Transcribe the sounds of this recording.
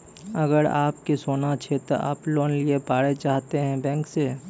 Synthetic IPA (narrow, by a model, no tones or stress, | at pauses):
ɐɡəɾa̰ːp̚kisoːnat͡ʃʰet̪oʔa̰ːploːnliepaːɽet͡ʃaːɦt̪eɦɛ̃bɛ̃ːŋkse